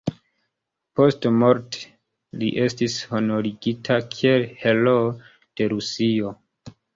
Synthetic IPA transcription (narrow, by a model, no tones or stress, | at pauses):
po̞stmo̞ɾte̥ | lḭʔe̞stisho̞no̞ɾiɡitʰakʰie̞lhelo | d̥e̞ɾusio